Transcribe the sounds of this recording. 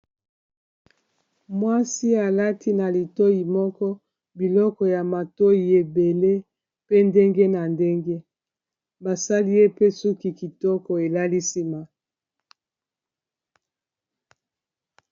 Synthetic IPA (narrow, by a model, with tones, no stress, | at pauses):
mwa˦si˦a˨la˦ti˦na˨li˨to˦ji˨mɔ˦kɔ˦ | bi˨lɔ˦kɔ˨ja˨ma˨to˦ji˨e˨be˨le˦ | pe˦nde˦ŋɡe˦na˨nde˦ŋɡe˦ | ba˨sa˦li˦je˦pe˦su˦ki˨ki˨tɔ˦kɔ˨e˨la˦li˦si˦ma˨